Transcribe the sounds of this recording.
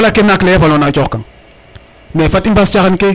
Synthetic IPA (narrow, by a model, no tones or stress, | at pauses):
lakːinaklejɛfalonat͡ʃɔkaŋ | nefatimpast͡ʃaxanke